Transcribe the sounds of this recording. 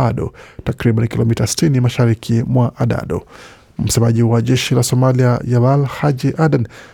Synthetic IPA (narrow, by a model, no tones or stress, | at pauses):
aɗɔ̰takɾiɓanikilɔmitasi̥tinimaʃaɾikʰimwaʔaɗa̰ɗɔ̰ | m̩sɛmaʄiwaʄɛʃilasɔmaliajavalhad͡ʒiʔaɗan